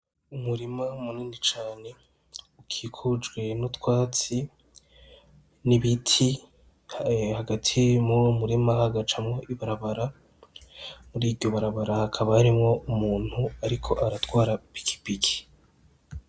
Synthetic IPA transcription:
umuɾimamuniːnit͡ʃaːne̞ | ukʰikʰud͡ʒɡwe̞nutwaːt͡si | niβitʰi | haɡatʰimumuɾimahaɡat͡ʃamŋo̞ʔiβaɾaβaɾa | muɾiːvɟo̞βaɾaβaɾahakʰaβaːɾimŋo̞umuːn̥huaɾikʰo̞ʔaɾatkwaːɾapi̥kʰi̥piki̥

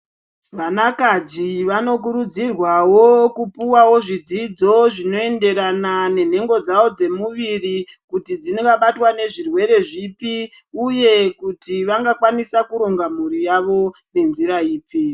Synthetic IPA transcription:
ʋanakad͡ziʋano̞k̬uɾud͡zirwawokupuwawo̞ʐid͡zid͡zo̞ʐino̞e̞nde̞ɾanane̞n̤e̞ŋɡo̞d͡zawo̞d͡ze̞muʋirikutid͡zinoŋɡaɓatwane̞ʐirwe̞ɾe̞ʐipiuje̞kutiʋaŋɡakwanisakuɾo̞ŋɡam̤uɾijaʋo̞ne̞nziɾaiːpi

